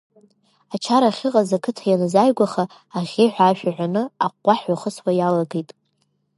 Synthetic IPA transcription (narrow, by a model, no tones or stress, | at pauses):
at͡ʃʰaɾaχʲɪqʼazakʰɨtʰajanɨzajɡʷaχaː | ʁʲeħʷᶣaʒᶣaʕʷᶣanɨaqʷʼːaħɥaχəswajalaɡejtʼ